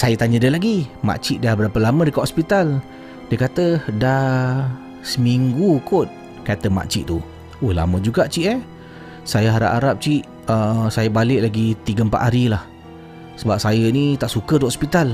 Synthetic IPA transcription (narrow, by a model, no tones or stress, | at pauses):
sajət̪aɲədəlaɡima̰ʔt͡ʃiʔ̚dabəɾapəlamə̃dəkaʔɔspit̪al | dəkat̪əda | səmiŋɡukʊt̪̚ | kat̪əma̰ʔt͡ʃiʔt̪u | ola̰mə̃d͡ʒuɡaʔt͡ʃiʔə | sajəɦaɾa̰ʔaɾap̚t͡ʃiʔ | əsajəbalɪʔ̚laɡit̪iɡəmpa̰ʔ̪aɾilah | səbap̚sajənit̪aʔsukədoɦɔspit̪al